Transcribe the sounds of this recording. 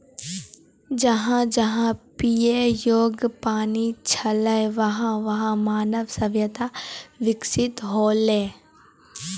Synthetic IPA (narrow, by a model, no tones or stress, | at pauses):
d͡ʒɐɦãd͡ʒɐɦãpiːejoːɡpaːnit͡ʃʰɐləjʋɐɦãʋɐɦãmaːnəʋsɐʋjət̪aʋɪksɪt̪ɦoːlẽː